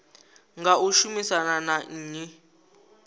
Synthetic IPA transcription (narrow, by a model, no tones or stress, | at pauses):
ŋɡauʃumisananaːɲi